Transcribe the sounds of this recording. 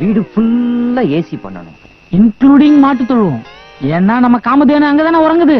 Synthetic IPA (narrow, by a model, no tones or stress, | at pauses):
ʋiːɽɯfʊlːɐeːsipɐ̰ɳːɐ̰ɳʊ̰̃ | ɪnkluːɽɪŋɡmaːʈːɯt̪ːɔɭːɯʋõ | eːnːaːnɐmːɐkaːmɐðeːnɯɐŋɡɐt̪aːnaːɔɾɐŋɡɐðɯ